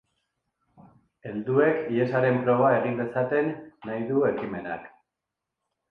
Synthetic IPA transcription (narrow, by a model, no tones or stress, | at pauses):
e̞ld̪ue̞kie̞saɾe̞mpɾo̞β̞ae̞ɣind̪e̞sat̪e̞nːajðue̞kime̞na̰k